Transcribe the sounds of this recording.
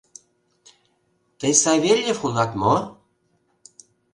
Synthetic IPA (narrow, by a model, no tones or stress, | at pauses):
t̪əjsɑβʲelʲːefuɣɑt̪mo